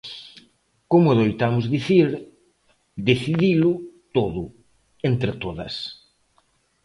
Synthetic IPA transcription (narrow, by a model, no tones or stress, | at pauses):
komʊðojt̪amʊzðiθiɾ | d̪eθiðilʊt̪oðʊ | ent̪ɾet̪oðɐ̰s